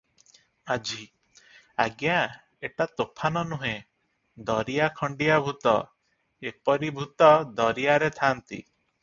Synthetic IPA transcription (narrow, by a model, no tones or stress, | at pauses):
ad͡ʒi | aɡjã | eʈat̪opʰanɔnuɦẽ | d̪ɔɾijakʰɔɳɖijabʱut̪ɔ | epɔɾibʱut̪ɔd̪ɔɾijaɾet̪ʰant̪ḭ